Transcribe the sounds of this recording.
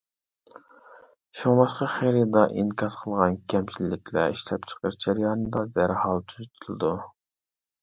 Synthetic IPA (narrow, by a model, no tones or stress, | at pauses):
ʃuŋlˠɑʃqɑχeɾid̪ɑʔinkʰɑsqʰəlˠʁɑnkʲʰɛmt͡ʃʰilːɪkʲʰlɛ̰iʃlɛp̚t͡ʃʰə̥qəɾd͡ʒɛɾjɑːnɨd̪ɑd̪æɾhɑlˠt̪ʰyzyt̪ʰylˠɨd̪u